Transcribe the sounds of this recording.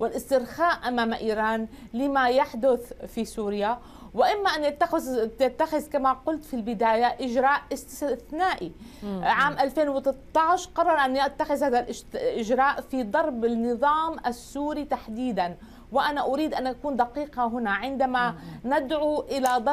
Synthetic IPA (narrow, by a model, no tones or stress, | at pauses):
wɪlʔɪst̪ɪɾxaːʔʔamaːmʔiːɾˤɑːnlɪmajaħd̪ʊθfisuːɾɪja | wɪʔɪmːaʔanjat̪ːat̪at̪ːaxɪzkamaqʊlt̪filbɪd̪aːjaʔɪʒɾˤɑːʔɪsθnaːʔiʕaːmʔalfeːnwɪt̪t̪ˤːɑʕɪʃqɑrˤːɑɾˤʔanjat̪ːaxɪzhaːðalʔɪʔɪʒɾɑːʔfid̪ˤɑɾˤbɪnːɨðˤɑːmʔasːuːɾit̪aħd̪iːd̪an | wɪʔanaʔʊɾiːd̪ʔanʔakuːnd̪aqiːqɑɦʊnaʕɪnd̪amanɪd̪ʕuʔɪlad̪